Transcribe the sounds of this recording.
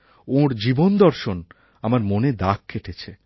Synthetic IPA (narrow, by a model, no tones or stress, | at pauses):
oɾd͡ʑibond̪ɔɾʃon | amaɾmoned̪akʰːeʈʰet͡ɕʰe